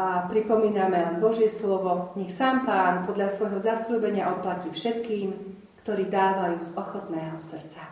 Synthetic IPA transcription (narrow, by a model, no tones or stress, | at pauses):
apɾipɔmiːnamɛlɛnbɔʒɪɛslɔʋɔɲɛxsaːmpaːnpɔd̪ʎasʋɔjɦɔzasʎuːbɛɲɪaʔɔt̪̚placifʃɛt̪kiːm | kt̪ɔɾiːd̪aːʋajuːzɔxɔt̪nɛːɦɔsr̩t̪t͡sa